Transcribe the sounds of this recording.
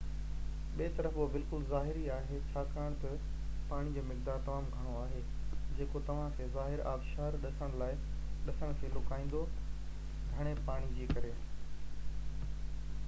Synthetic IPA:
ɓiːt̪ɐɾəfobɪlkʊlzaːɦɪɾiaːɦet͡ɕʰaːkaːɪɽ̃t̪ɐ | paːɽ̃id͡ʑoːmɪkd̪aːɾt̪ɐmaːmɡʱɐɽ̃oaːɦeː | d͡ʑeːkot̪ɐʋ̤ãkʰeːzaːɦɪɾa̰ːfʃaːɾɗɐsəɽ̃laːɪ | ɗɐsəɽ̃kʰeːlʊkaːĩːn̆d̪o | ɡʱɐɽ̃epaːɽ̃id͡ʑiːkɐɾeaːɦe

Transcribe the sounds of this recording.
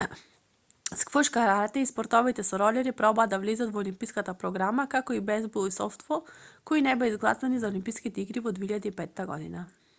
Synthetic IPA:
skvɤʃkaɾaɾt̪ɛispɔɾt̪ɔvit̪ɛsɔɾɔlʲɛɾipɾɔbaːd̪ːavlɛzat̪vɔːlimpijskat̪apɾɔɡɾamakakɔibɛzbulˠisɔft̪vɔkɔinɛbɛizɡlˠa̰sanizaolimpiskit̪ɛiɡɾivɔd̪viiʎad̪iipɛt̪ːaɡɔ̰d̪ina

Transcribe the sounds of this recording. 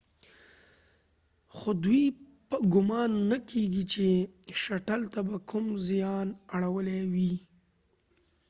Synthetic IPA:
xod̪wi | pəɡʊmɑnːakʰeɡit͡ʃeʃaʈalt̪abakʰʊmzjɑnaɽawəlewi

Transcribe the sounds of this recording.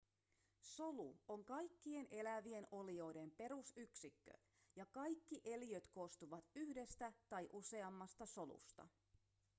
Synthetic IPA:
so̞luoŋkɑjkːie̞nʔe̞læʋie̞no̞lio̞jde̞mpe̞ɾusyksikːø̰ | jɑkɑjkːiʔe̞lijøt̪ko̞st̪uʋɑt̪yhde̞st̪æt̪ɑjʔuse̞ɑmːɑst̪ɑso̞lṵst̪ɑ̰

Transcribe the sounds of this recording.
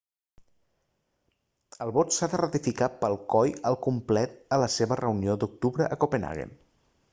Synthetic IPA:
əlˠβɔt̪saðərət̪ifikapəlˠkɔjəlˠkumplɛt̪̚ələseβərəuniod̪uk̚t̪uβɾəʔəkopena̰ɣḛn

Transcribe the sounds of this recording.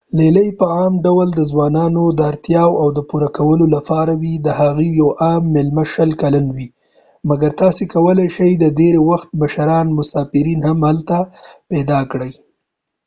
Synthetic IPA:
leləjpəɑmɖawald̪əzwɑnɑnod̪əaɾt̪jɑwawd̪əpuɾakawəlolapɑɾawid̪əhaɣijawʔɑmːɪlmaʃəlkalanwi | maɡaɾt̪ɑsekawəlajʃajd̪ədeɾewaxt̪̚məʃaɾɑnmʊsɑfɪɾinhamhalt̪apɛd̪ɑkɽəj

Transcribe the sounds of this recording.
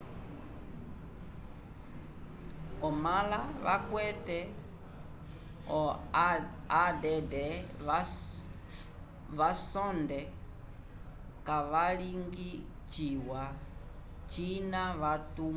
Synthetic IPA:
ɔmalaʋa̰kwɛtɛ | ɔ | adɛdɛ | ʋasɔndɛ | kaʋaliŋɡi | t͡ʃiwa | t͡ʃinaʋatum

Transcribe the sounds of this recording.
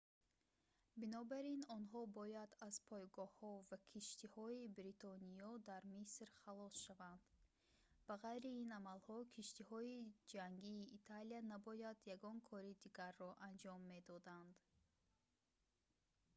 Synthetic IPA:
binɔbaɾinɔnɦɔbɔjad̪az̥pʰɔjɡɔhɔvakʰiʃt̪ihɔibɾit̪ʰɔniɔd̪aɾmisɾχalɔsʃavand̪̥ | baʁajɾiinamalhɔkʰiʃt̪ihɔid͡ʒaŋɡiːt̪ʰalianabɔjad̪jaɡɔnkʰɔɾid̪iɡaɾːɔʔand͡ʒɔmːe̞d̪ɔd̪and̪

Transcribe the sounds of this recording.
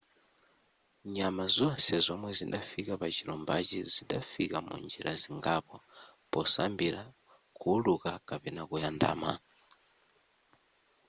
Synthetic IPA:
ɲamazɔnsɛzɔmwɛzindafikapat͡ʃiɾɔmbat͡ʃiziɗafikamṵnd͡ʒiɾʔaziŋɡapɔpɔsambiɾa | kuːlukakapɛnakujanda̰ːma̰

